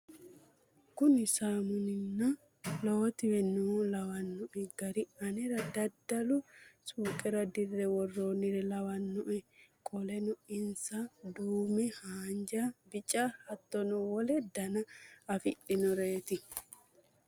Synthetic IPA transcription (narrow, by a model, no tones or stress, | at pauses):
kʊnɪsaːmʊnɪnːɐ | loːt̪ɪwɛnulɐwɐnːʊʔɛɡɐɾɪɐnɛɾɐd̪ɐd̪ːɐlʊsuːkʼɛɾɐd̪ɪrːɛwɔrːoːnɪɾɛlɐwɐnːʊʔɛkʼɔlɛnʊɪnsɐd̪uːmɛhaːnd͡ʒabɪt͡ʃʼːahɐt̪ːɔnʊwɔlɛd̪ɐnɐɐfɪɗɪnɔɾeːt̪ɪ